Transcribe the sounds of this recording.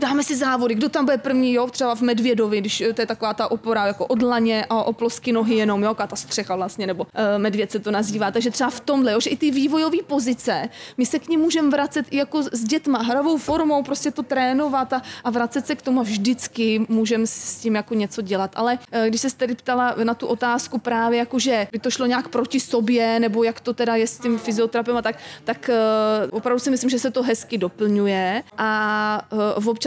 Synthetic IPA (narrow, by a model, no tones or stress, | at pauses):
daːmɛsɪzaːvo̞dɪɡdot̪ambudɛpr̩vɲiːjot̪r̥ɛbavmɛdvjɛdovɪɡdɪʃt̪ojɛt̪akovaːt̪aʔopo̞ɾajakoʔo̞dlaɲɛʔaʔoploskɪno̞ɦɪjɛno̞mjokat̪ast̪r̝̥ɛxavlast̪ɲɛnɛbo̞mɛdvjɛt̪sɛt̪onaziːvaːt̪aɡʒɛt̪r̥ɛbaft̪o̞mdlɛjoʒɛʔɪt̪ɪviːvo̞jo̞viːpo̞zɪt͡sɛmɪsɛkɲimːuːʒɛmvɾat͡sɛt̪ʔɪjako̞zɟɛt̪maɦɾavo̞wfo̞ɾmo̞wpɾoscɛt̪ot̪ɾɛːno̞vat̪aʔavɾatt͡sɛt̪sɛkt̪omuavʒdɪt͡skɪmuːʒɛmsscɪmjakoɲɛt͡so̞ɟɛlat̪ʔa̰lɛɡdɪʃsɛst̪ɛdɪpt̪alanat̪uʔo̞t̪aːskupɾaːvjɛjakoʒɛbɪt̪oʃloɲɛaːkpɾo̞cɪso̞bjɛnɛbo̞jakt̪o̞t̪ɛdajɛstcɪmfɪzɪo̞t̪ɾap̬ɛmat̪ak̚t̪akvopɾavdusɪmɪslɪmʒɛsɛt̪o̞ɦɛskɪdo̞pl̩ɲujɛʔa | vop̚t͡ʃ